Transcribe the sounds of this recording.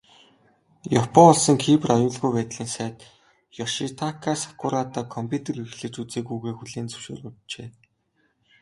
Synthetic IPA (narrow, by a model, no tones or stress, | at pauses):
jɔpʰɔŋɔɮsɞ̆ŋkʰiːprɔjʊːɮɣujpæːt̪ɮiːnsæːt̪ | jɔʃit̪ʰakʰasḁkʊɾaːt̪aːkʰɔmpʰʲut̪ʰĕrixɮɘ̆t͡ɕut͡seːkujɣeːxuɮeːnt͡sɵ̥w̥ʃo̰ːrʊtt͡ɕeː